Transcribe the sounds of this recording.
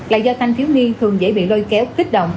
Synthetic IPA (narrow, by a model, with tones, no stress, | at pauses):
la̰ː˨˩zɔ˧t̪ʰa˧jŋ̟t̪ʰi˨˦wni˧t̪ʰɨ˨˩əŋzḛ˧˥˩jɓḭ˧˨lo˧jkɛ˨˦wxi˦˥k̚ɗə̰˧˨wŋ͡m